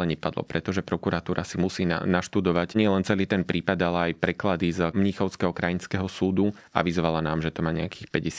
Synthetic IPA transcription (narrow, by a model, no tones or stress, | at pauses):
lɛɲɛpad̪lɔ̰pɾɛt̪ɔʒɛpɾɔkuɾat̪uːɾʔasimusiːna̰naʃt̪ud̪ɔʋaɟɲɪɛlɛnt͡sɛliːt̪ɛnpɾiːpad̪alɛajpɾɛklad̪izmɲixɔʊskɛɦɔkɾajinskɛɦɔsuːd̪u | a̰ʋizʋalanaːmʒɛt̪ɔmaːɲɛakiːxpɛɟɛs